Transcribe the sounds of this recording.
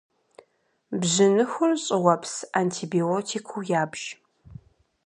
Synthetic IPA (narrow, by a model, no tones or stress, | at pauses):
bʑɪnɨxʷʊrɕʼɪʁʷɐpʰsaːntʰiːbioːtʰiːkʷʰuwjaːbʒ̥